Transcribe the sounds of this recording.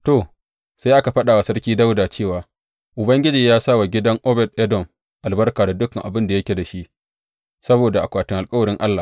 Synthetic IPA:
to˨ | sa˦jʔa˦ka˨ɸɐ˦ɗaː˨wa˨sɐ˦rkʲiː˦da˦wdaː˨t͡ʃeː˦˨waː˨ | ʔʊ˨bɐ˦ŋɡʲɪ˦d͡ʒiː˨jaː˦sa˦˨wa˨ɡʲɪ˦dɐ˦ŋʔɔ˦bɛ˨dʔɛ˦dɔ˨m | ʔa˨lbɐ˦rkaː˨da˨dʊ˦kɐ˨ŋʔa˨bɪ˦nda˨jɐ˦kʲe˨da˨ʃi˦ʔ | sɐ˦boː˨da˨ʔa̰˨kʷaː˨tɪ˦ŋʔa˨lkʼɐ˦wɐ˨ɾɪ˦ŋʔa˦lːaː˨

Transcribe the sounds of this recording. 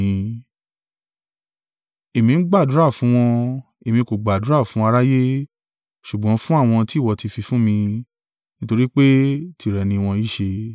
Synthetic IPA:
e˨mĩ˧˦ɡ͡ba˦˨du˨˦ɾa˦˨fũ˨˦w̃ɔ̃˧ | e˨mĩ˧ko˨ɡ͡ba˨du˨˦ɾa˦˨fũ˨˦a˧ɾa˦je˦ | ʃu˨ɡ͡bɔ̃˨˦fũ˦a˦˨w̃ɔ̃˧ti˦˨wɔ˧ti˧fi˧fũ˦mĩ˧ | nĩ˦to˧ɾi˦k͡pe˦ti˧˨ɾɛ˨nĩ˧w̃ɔ̃˧i˦ʃe˧

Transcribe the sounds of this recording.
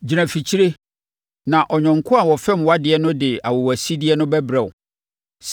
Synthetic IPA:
d͡ʑi˨ɾæ̃˨fi˨t͡ɕʰi˦ɾe˦ | nã˨ʔɔ˨ɲᶣɔ̃˨ŋ̩˨kʰʊ̃˦a˨wɔ˨fɛ̃˦mwa˦dɪ˨ɛ˦nʊ̃˦dɪ˨a˨wɔ˨wæ˨si˦dɪ˦ɛ˦nʊ̃˦bɛ˦bɾɛ˨ʊ˨ | s

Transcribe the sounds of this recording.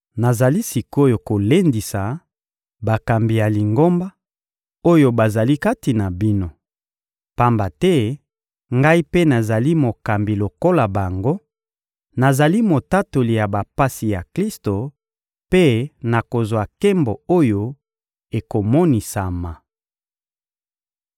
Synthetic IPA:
na˨za˨li˦si˨ko˦jo˨ko˨le˦ndi˨sa˨ | ba˨ka˨mbi˨ja˨li˨ŋɡo˦mba˦ | o˦jo˨ba˨za˨li˦ka˦ti˨na˨bi˦no˦ | pa˦mba˨tɛ˦ | ŋɡa˦i˦pe˦na˨za˨li˦mo˨ka˨mbi˨lo˨ko˦la˨ba˨ŋɡo˦ | na˨za˨li˦mo˨ta˦to˨li˨ja˨ba˨pa˦si˨ja˨kli˦sto˨ | pe˦na˨ko˨zwa˨ke˦mbo˨o˦jo˦ | e˨ko˨mɔ˦ni˨sa˨ma˨

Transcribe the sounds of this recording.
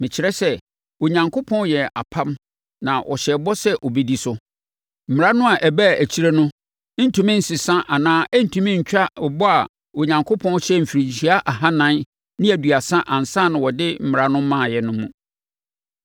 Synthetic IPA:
mɪ̃˨t͡ɕʰɪ˨ɾɛ˦sɛ˦ | o˨ɲã˨ŋkʰo˦pʰɔ̃˦n˦jɛ˨a˨pʰã˦m | nã˨ʔɔ˨ɕɛ˨bɔ˦sɛ˦ʔɔ˨be˦di˦sʊ˦ | m̩˨mɪ˨ɾa˦nʊ̃˦a˨ʔɛ˨bæ˦˨ʔæ˨t͡ɕʰi˦ɾæ˦nʊ̃˦ | n̩˦tʰũ˦mɪ̃˦n̩˨sɪ˨sã˦ʔa˨nãː˦ʔæ˦n̩˦˨tʰũ˨mɪ̃˦ɲ̩˨t͡ɕᶣa˦ɔ˨bɔ˦a˨ | o˨ɲã˨ŋkʰo˦pʰɔ̃˦n˦ɕɛ˦m̩˨fi˨ɾĩ˨ɲɕi˨˦a˦ʔa˨ɦa˦nã˦n | nɪ̃˦æ˨dɥa˨sã˦ʔã˨n̩˨sã˦˨nʊ̃˨wɔ˨dɪ˦m̩˦mɪ˨ɾa˦nʊ̃˦mã˦˨jɛ˨nʊ̃˦mũ˨

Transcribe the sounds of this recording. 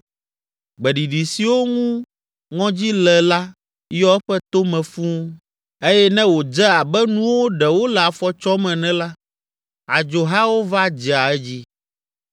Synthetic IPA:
ɡ͡bɛ˨ɖi˨ɖi˨si˨wo˦ŋũ˦ | ŋɔ̃˦d͡ʑi˦lɛ˨la˦ | jɔ˦ɛ˦ɸɛ˦t̪o˦mɛ̃˨fũ˦ | e˦jɛ˦nɛ̃˦wo˨d͡ʒɛ˦a˨bɛ˦nũ˦wo˦ɖɛ˨wo˦lɛ˨a˨fɔ˨t͡ʃɔ˦mɛ̃˨nɛ̃˦la˦ | a˨d͡ʒo˨ɦa˦wo˦va˦d͡ʑɛ˨a˨ɛ˦d͡ʑi˦

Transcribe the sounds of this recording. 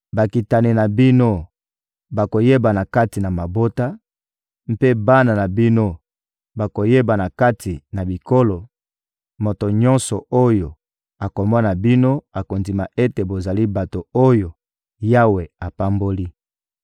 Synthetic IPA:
ba˨ki˨ta˨ni˨na˨bi˦no˦ | ba˨ko˨je˦ba˨na˨ka˦ti˨na˨ma˨bo˦ta˦ | m̩˦pe˦ba˦na˨na˨bi˦no˦ | ba˨ko˨je˦ba˨na˨ka˦tʰi˨na˨bi˨ko˦lo˨ | mo˨to˨ɲɔ̃˦nsɔ˨o˦jo˨ | a˨ko˨mɔ˦na˨bi˦no˦a˨ko˨ndi˨ma˨e˦te˨bo˨za˨li˦ba˨to˨o˦jo˨ | ja˦we˨a˨pa˦mbo˦li˦

